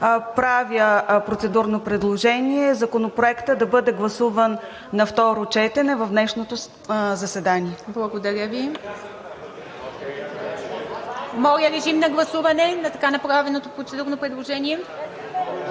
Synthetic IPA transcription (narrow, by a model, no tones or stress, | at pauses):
pɾavjəpɾot̪sɛd̪uɾnopɾɛd̪lˠoʒɛniɛzɐkonopɾoɛkt̪əd̪ɐbɤd̪ɛɡlˠɐsuvənː | ɐft̪ɔɾot͡ʃɛt̪ɛnɛvɐfd̪nɛʃnot̪o | zɐsɛd̪aniɛblˠɐɡod̪ɐɾʲjəvi | mɔjəɾɛʒimnɐɡlˠɐsuvɐnɛnɐt̪ɐkanɐpɾavɛnot̪opɾot̪sɛd̪uɾnopɾɛd̪lˠoʒɛniɛ